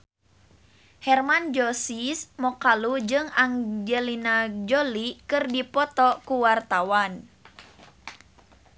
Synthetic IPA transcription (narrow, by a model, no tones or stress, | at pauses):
hɛrmand͡ʒɔsismɔkalud͡ʒɨŋaŋd͡ʒəlinad͡ʒolikɨrdipɔt̪ɔkuwart̪awan